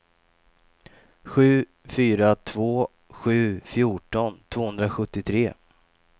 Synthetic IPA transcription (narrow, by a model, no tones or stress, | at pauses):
ɧʉ̟ː | fyːɾat̪ʰvoː | ɧʉ̟ːfjuːʈɔnt̪ʰv̥oːhɵnd̪ɾaɧɵt̪ːɪt̪ʰɾeː